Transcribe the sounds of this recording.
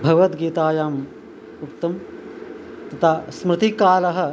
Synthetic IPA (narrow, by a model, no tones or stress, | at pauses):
bʱɐɡʋɐt̪ɡiːt̪aːjaːm | ukt̪ɐm | t̪ɐt̪ʰaːsmɾɪt̪ikaːlɐɦɐ̆